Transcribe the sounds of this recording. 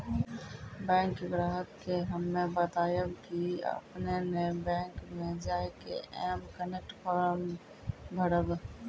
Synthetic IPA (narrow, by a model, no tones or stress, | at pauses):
bɛ̃ːŋkːɡɾaːɦəkːeɦəmːẽbət̪aːjəbkiə̰pnenebɛ̃ːŋkmẽd͡ʒaːekḛʔɛ̰ːmkənek̚ʈfɔːɾəm | bʱəɽəb